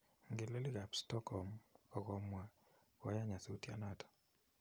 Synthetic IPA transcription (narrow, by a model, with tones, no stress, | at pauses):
ŋɡe˨le˦li˦ɣa˨pstɔ˦kɔ˨mɔ˨ɣɔ˨˦mwa˦ | kɔ˨˦ja˦ɲa˨su˨˦tja̰˨na˦tɔ̥˨